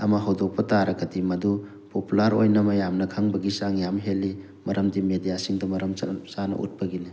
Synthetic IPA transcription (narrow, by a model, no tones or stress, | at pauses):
ɐ̰mɐɦawdok̚pɐtaɾɐɡɐdimɐdu | populaɾo̰jnɐmɐjamnɐkʰaŋbɐɡisaŋjamɦelːi | mɐɾʔɐmdimedijasiŋdɐmɐɾɐmsanɐ̰ʔṵt̚pɐɡini